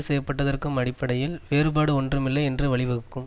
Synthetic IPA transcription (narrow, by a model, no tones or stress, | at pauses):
ɯsɛjːɐpːɐʈːɐðɐrkɯmɐɽɪpːɐɽɐjɪlʋeːɾɯbaːɽɯɔndrɯmɪlːɐɪɛndrɯʋɐɭɪʋɐɣɯkːɯm